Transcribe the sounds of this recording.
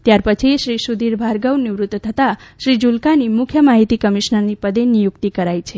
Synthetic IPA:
t̪jaɾpət͡ʃʰiʃɾisud̪iɾbʱaɾɡəwniʋɾut̪t̪ʰət̪aʃɾid͡ʒulkanimʊkʰjəmaɦit̪ikəmiʃnəɾnipəd̪enːijʊkt̪ikəɾajt͡ʃʰe

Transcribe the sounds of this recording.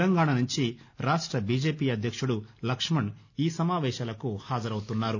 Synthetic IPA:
lɐŋɡaːɳanuɲt͡ʃiɾaːʂʈɾɐbiːd͡ʒeːpiːɐd̪ʱjɐkʂuɽulɐkʂmɐɳ | iːsɐmaːʋɛːʃaːlɐkuhaːd͡ʒɐɾɐwut̪unːaːɾu

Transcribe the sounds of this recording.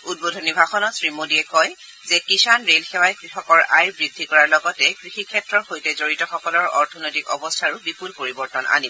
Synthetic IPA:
ud̚bodʱɔnibʱaxɔnɔtsɹimodiɛkɔj | zɛkisanɹelxɛwajkɹixɔkɔɹajbɹidʱːikɔɹaɹlɔɡɔtɛkɹixikʰɛtɹɔɹxojtɛzoɹitɔxɔkɔlɔɹɔ̰ɹtʰɔnojtikɔ̰bɔstʰaɹʊbipulpoɹibɔɹtɔnʔa̰nib

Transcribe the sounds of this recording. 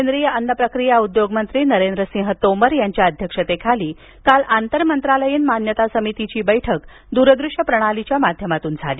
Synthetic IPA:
kend̪ɾijəənːəpɾəkɾijaud̪joɡmənt̪ɾiːnəɾend̪ɾəsĩɦət̪oməɾjaɲt͡ɕjaəd̪ʱjəkʂət̪ekʰaliː | kalant̪əɾmənt̪ɾaləjiːnmanjət̪asəmit̪it͡ɕiːbəjʈʰək | d̪uɾəd̪ɾuʂəpɾəɽ̃alit͡ɕjamad̪ʱjəmat̪uːnd͡zʱa̰liː

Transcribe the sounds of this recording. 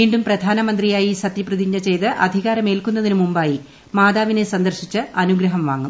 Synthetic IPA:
ʋiːɳɖumprɐd̪ʱaːnɐmɐnd̪rijaːjisɐt̪ːjiprɨðiɲːɐt͡ɕe̞jt̪ɨʔɐd̪ʱiɣaːɾɐme̞ːlkunːɐðinumumbaːji | maːd̪aːʋinesɐnd̪ɐrɕit͡ɕːɨɐnuɡɾɐɦɐmʋaːŋːum

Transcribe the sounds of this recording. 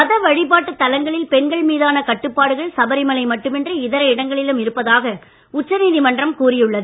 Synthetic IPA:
ɐðɐʋɐɻɪp̬aːʈːɯt̪ːɐlɐŋɡɐɭɪlpɛnɡɐɭmiːðaːnɐkɐʈːɯpːaːɽɯɣɐɭsɐbɐɾɪmɐlɐɪmɐʈːɯmɛndrɯɪðɐɾɐɪɽɐŋɡɐɭɪlɯmɪɾɯpːɐðaːɣɐ | ʊt͡ʃːɐniːðimɐndrɐmkuːrɪjɯɭːɐðɯ

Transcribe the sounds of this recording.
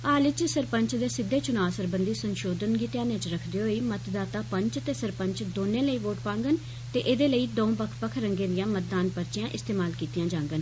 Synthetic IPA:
aːlɪt͡ʃsəɾpəɲt͡ʃd̪eːsɪd̪ːeːt͡ʃʊnaːsəɾbənd̪iːsənʃoːd̪ənɡiːt̪jãːnẽt͡ʃɾəkʰd̪eːɦoːiːmət̪d̪aːt̪aːpəɲt͡ʃt̪eːsəɾpəɲt͡ʃd̪oːneːləiːʋoːʈpãːŋɡən | t̪eːʔed̪eːləiːd̪õːbəkʰpəkʰɾəŋɡeːd̪ɪjãːmət̪̚d̪aːnpəɾt͡ʃɪjãːʔɪst̪eːmaːlkiːt̪ijãːd͡ʒãːŋɡən

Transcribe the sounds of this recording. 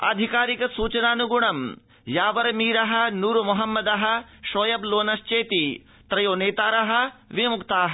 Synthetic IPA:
ɐ̰d̪ʱikaːɾikɐsuːt͡ʃɐnaːnuɡuɳɐm | jaːʋɐɾɐmiːɾɐɦɐ̆nuːɾmɐɦɐmːɐd̪ɐɦɐ̆ʃoːjɐbloːnɐʃt͡ʃeːt̪i | t̪ɾɐjoːneːt̪aːɾɐɦɐ̆ʋimukt̪aːɦɐ

